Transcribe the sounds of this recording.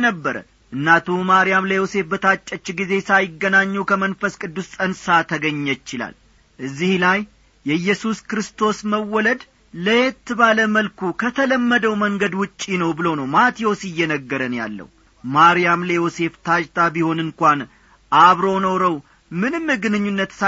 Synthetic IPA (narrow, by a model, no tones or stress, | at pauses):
nəbːəɾə̰ | ʔɨnːat̪ʰumaɾijamləjo̞se̞fbət̪ʰat͡ʃʼːət͡ʃːɡize̞sajɪɡːənaɲːukʰəmənfəskʼɨd̪ːust̪ʼənsat̪ʰəɡəɲːəɪt͡ʃɪla̰l | ʔɨzːihlaj | jɛjːɛsuskɾɨst̪ʰo̞sməwːɔləd̪ | ləjɛt̪ːɨβaləməlkukʰət̪ʰələmːəd̪əwməŋɡəd̪wʊt͡ʃʼːinəwbɨlo̞nəwmat̪ʰijo̞sɨjːɛnəɡːəɾənja̰lːə̰hu | maɾijamleo̞se̞ft̪ʰad͡ʒt̪ʰabiho̞nɨnkʷan | ʔaβɾo̞nəwɾəw | mɨnɨmɡɨnɨɲːunːət̪sa